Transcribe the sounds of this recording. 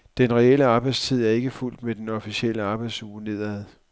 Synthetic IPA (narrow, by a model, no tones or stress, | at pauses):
d̥enʁɛel̰əɑ̈ːb̥ɑ̈ɪ̰̥st͡sʰið̞̰ˠæɐe̝ɡ̥əful̰d̥med̥enɒ̽fiɕiel̰əɑ̈ːb̥ɑ̈ɪd̥suːne̝ð̰ˠæð̞ˠ